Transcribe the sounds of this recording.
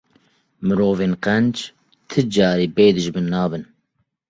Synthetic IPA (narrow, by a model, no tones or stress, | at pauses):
mɨɾoːveːnqɛnd͡ʒ | t̪ʰɨd͡ʒɑːɾiːbeːd̪ɨʒbɨnːɑːbɨn